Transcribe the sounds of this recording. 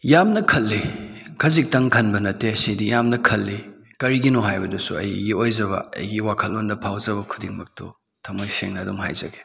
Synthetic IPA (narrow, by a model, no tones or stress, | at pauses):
jamnɐkʰɐlːikʰɐzik̚tɐŋkʰɐnbɐnɐtːesidijamnɐkʰɐlːi | kɐɾiɡinoɦajbɐdɐsuɐ̰jɡiojzɐβɐ̰ɐ̰jɡiwakʰɐlːondɐpʰawzɐbɐkʰu̥diŋmɐk̚to̰ | tʰɐmɐjseŋnɐːdumɦa̰jzɐ̰ɡe